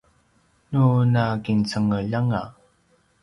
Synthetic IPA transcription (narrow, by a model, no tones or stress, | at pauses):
nunakint͡səŋəʎaŋa